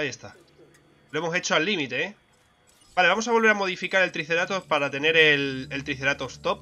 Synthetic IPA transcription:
aje̞st̪a | loemo̞se̞t͡ʃoalːimit̪e̞e | baleamosaβo̞lβeɾamo̞ð̞ifikaɾelt̪ɾiθe̞ɾat̪o̞spaɾat̪e̞ne̞ɾe̞lelt̪ɾiθe̞ɾat̪ost̪op̚

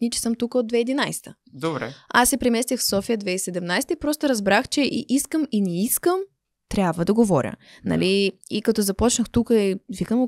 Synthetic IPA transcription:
nit͡ʃɛ̥sɤmt̪ukəod̪vɛid̪inajst̪ʰə̥ | d̪obɾɛ̰asːɛpɾɛmɛst̪ʲixfsɔfijəd̪vɛisɛd̪ɛmnajst̪əipɾɔst̪oɾɐzbɾaxt͡ʃɛʔḭʔiskəminɛiskəm | t̪ɾʲjabvəd̪ɐɡovɔɾʲə̰nɐ̰liikɐt̪ɔzɐpɔt͡ʃnəxt̪ukəivikəmo

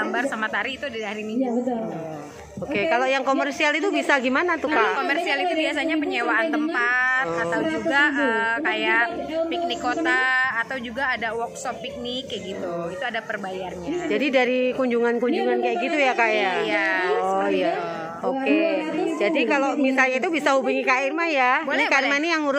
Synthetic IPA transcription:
ɡambarsamat̪aɾiːt̪udaɾiɦaɾimina | okekalojaŋkomɛrsialit̪̬ubisaɡimanat̪ukakalakomɛrsialit̪ubias̬aɲapəɲewaːnt̪əmpat̪at̪awd͡ʒuɡaəkajaʔpik̚nikːot̪aːt̪awd͡ʒuɡaːdawɔksɔpːik̚nɪkjaɡit̪uit̪uadapərbajarɲad͡ʒadidaɾikuɲd͡ʒuŋankuɲd͡ʒuŋankajakɡit̪ujakajaʔjaɔja | oked͡ʒadikalomisalɲait̪ubisaɦubuŋikairmajabnikarmanijaŋuɾʊ

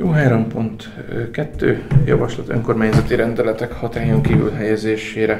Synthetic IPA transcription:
joːɦaːɾo̞mpo̞nt̪ | kɛt̪ːø̰ːjɒ̰vɒʃlɒt̪ø̞ŋko̞ːrmaːɲzɒt̪iɾɛnd̪ɛlɛt̪ɛkhɒt̪aːjoŋkiːvy̰lɦɛjɛzeːʃeːɾɛ

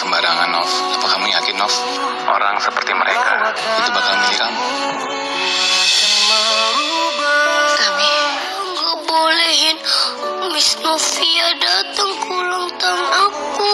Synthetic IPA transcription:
kəmbaɾaŋanɔfapakamujakɪnːɔf | ʔo̰ɾaŋsəpərt̪iməɾḛka̰ | it̪ubakalməɦiɾaŋ | kamiɾaŋɡabolɛɦɪnmisnɔfiadat̪əŋkʰulɔŋt̪anaku

